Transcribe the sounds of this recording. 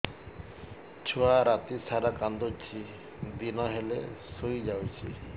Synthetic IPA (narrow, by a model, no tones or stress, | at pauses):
t͡ʃʰuaɾat̪isaɾakand̪ot͡ʃʰi | d̪inɔɦelḛsujd͡ʒawt͡ʃʰi